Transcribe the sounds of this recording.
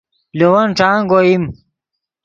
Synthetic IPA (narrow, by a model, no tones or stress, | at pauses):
lowɐnʈ͡ʂaːŋɡoim